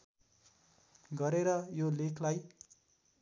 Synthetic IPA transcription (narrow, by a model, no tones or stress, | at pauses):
ɡʌɾeɾʌjolekʰlaj